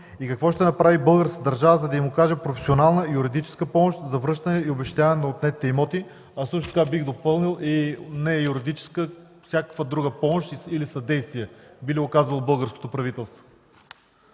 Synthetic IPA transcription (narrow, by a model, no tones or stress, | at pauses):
ikɐkvɔʃt̪ɛnɐpɾavibɤlˠɡəɾskəd̪ɐɾʒavəzɐd̪ɐimʊkaʒɛpɾofɛsʲionalˠnəijuɾid̪it͡ʃɛ̥skəpɔmoʃt̪zɐvɾɤʃt̪ɐnɛiobɛʃt̪aɛnɐot̪nɛt̪ːɛimɔt̪i | ɐsˠɤʃt̪ʊt̪əkabiɣd̪opɤlˠnilˠinɛɛjuɾid̪it͡ʃɛ̥skəfsʲjakəkvəd̪ɾuɡəpɔmoʃt̪iilisɐd̪ɛjst̪viɛbiliokazvəlˠobɤlˠɡəɾsko̥t̪opɾɐvit̪ɛlˠst̪vo